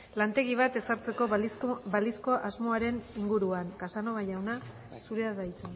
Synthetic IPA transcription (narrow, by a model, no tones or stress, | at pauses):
lant̪e̞ɣ̞iβ̞at̪e̞saɾt͡se̞ko̞sβalisko̞ʔazmo̞aɾe̞niŋɡuɾuaŋkasano̞βajawna | suɾeaðajt͡sen